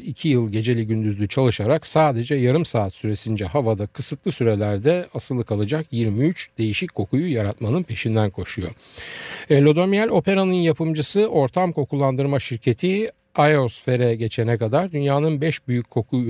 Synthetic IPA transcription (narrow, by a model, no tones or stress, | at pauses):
icʰijɯlˠɟe̞d͡ʒe̞lʲiɟynd̪yzlʲyt͡ʃʰalˠɯʃaɾaksaːd̪e̞d͡ʒɛjaɾɯmsaːt̪syɾe̞sind͡ʒɛɦavad̪akʰɯsɯt̪lˠɯsyɾe̞lʲæɾd̪ɛasɯlˠɯkʰalˠad͡ʒakjiɾmiyt͡ʃd̪̥e̞jiʃickʰo̞kujujaɾat̪manɯnpʰe̞ʃind̪ænkʰo̞ʃujo̞̰ | elʲo̞d̪o̞mjalʲo̞pe̞ɾanɯnjapɯmd͡ʒɯsɯʔo̞ɾt̪ʰamkʰo̞kulˠːand̪ɯɾmaʃiɾcʰe̞t̪ʰi | ajo̞sfe̞ɾɛɟe̞t͡ʃʰenɛkad̪aɾd̪ynjaːnɯnbɛʃbyjycʰːo̞kʰu